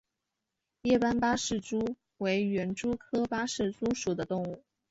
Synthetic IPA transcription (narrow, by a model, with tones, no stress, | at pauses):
jɛ˥˩pa˥npa˥ʂɻ̩˥˩ʈ͡ʂu˥ | we˧˥ɪɥɛ˧˥nʈ͡ʂu˥kʰɤ˥pa˥ʂɻ̩˥˩t͡su˥ʂu˨˩d̪ə˦t̪ʊ˥˧ŋu˥˩